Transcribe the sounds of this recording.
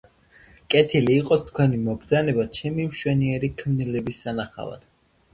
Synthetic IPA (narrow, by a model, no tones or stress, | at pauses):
kʼɛt̪ʰiliːqʼɔst̪ʰkʰwɛnimɔbɾd̪zanɛbat͡ʃʰɛmimʃwɛniɛɾikʰmnilɛbisːanaχa̰va̰d̪̥